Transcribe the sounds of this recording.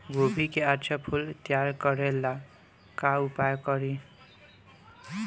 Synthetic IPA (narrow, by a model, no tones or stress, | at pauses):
ɡʱobʱikeart͡sʰʌpʰult̪jaɾkʌɾelːa | kaupajkʌɾi